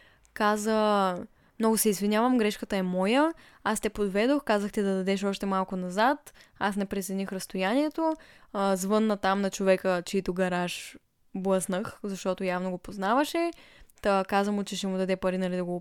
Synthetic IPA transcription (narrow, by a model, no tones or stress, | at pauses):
kazə | mnɔɡʊsɛizvinʲjavɐmɡɾɛʃkət̪əɛmɔjə | ast̪ɛpod̪vɛd̪oxkazəxt̪id̪ɐd̪ɐd̪ɛʃɔʃt̪ɛmalˠkʊnɐzat̪asnɛpɾɛt̪sʲɛnixɾɐst̪ojaniɛt̪ozvɤnːɐt̪amnɐt͡ʃovɛkət͡ʃɛit̪oɡɐɾaʃ | blˠəsnəxzɐʃt̪ɔt̪ojavnoɡopoznavəʃɛt̪əkazəmʊt͡ʃɛʃɛmʊd̪ɐd̪ɛpɐɾinɐlid̪ɐɡo